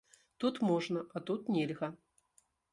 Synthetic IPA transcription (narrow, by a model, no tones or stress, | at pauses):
t̪ut̪mɔʐnɐʔat̪ut̪nʲɛlʲɣɐ